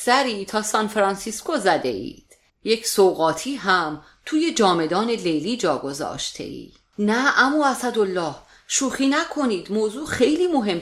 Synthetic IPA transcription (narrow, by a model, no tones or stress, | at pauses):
sæɾiːt̪ʰɒːsɒnfeɾɒnsiskozæd̪e̞̰ḭːd̪̥ | je̞cʰsoɣɒːt̪ʰiːɦæm | t̪ʰuːje̞d͡ʒɒːme̞d̪ɒːne̞lejliːd͡ʒɒːɡo̞zɒ̰ːʃt̪ʰe̞̰ʔḭː | næʔæmuːæsæd̪olːɒːh | ʃuːxiːnækʰo̞niːd̪moːzuːxe̞jliːmoɦe̞m